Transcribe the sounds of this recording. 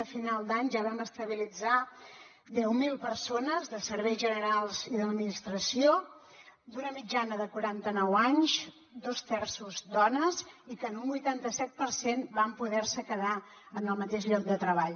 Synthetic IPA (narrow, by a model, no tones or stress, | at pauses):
əfinalˠd̪aɲʒaβaməst̪əβ̞ilid͡za | d̪ɛwmilˠpəɾsonəzðəsəɾβɛjzʒənəɾalˠziðəd̪minist̪ɾəsio | d̪unəmid͡ʒanəðəkuɾant̪ənɔwaɲz | d̪ost̪ɛrsuzd̪ɔnəzikənumbujt̪ant̪əsɛt̪̚pəɾsenbampuðɛɾsəkəða | ənəlˠmət̪eʃʎɔk̚d̪ət̪ɾəβ̞aʎ